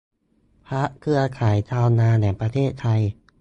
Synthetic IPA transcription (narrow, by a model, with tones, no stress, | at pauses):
pʰɾa˦˥ʔkʰɯ˧ɐkʰaː˩˦jt͡ɕ̪ʰaː˧wnaː˧nɛ˨˩pɾa˧t̪ʰeː˥˩t̪ʰa˧j